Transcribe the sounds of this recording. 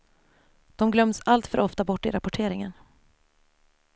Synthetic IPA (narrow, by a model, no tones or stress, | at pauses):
d̪̥ɔmɡlœmːsalt̪fœɾʔɔft̪abɔʈːɪɾapɔʈʰeːɾɪŋən